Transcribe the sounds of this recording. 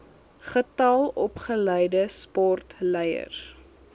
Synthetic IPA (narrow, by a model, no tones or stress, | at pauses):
χətɐlˠɔpχələjdəspɔrtlɛjə̰r